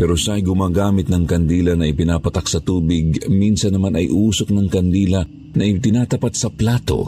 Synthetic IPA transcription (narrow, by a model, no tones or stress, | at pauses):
pɛɾoʃaʔɐjɡʊmaːɡaːmɪt̪̚nɐŋkɐnd̪iːlɐnɐʔɪpɪnaːpɐt̪ak̚sɐt̪uːbɪɡminsɐnːɐmanɐ̰jʔuːsok̚nɐŋkɐnd̪iːlɐ | nɐʔɪt̪ɪnaːt̪ɐpat̪sɐplaːt̪o̞̰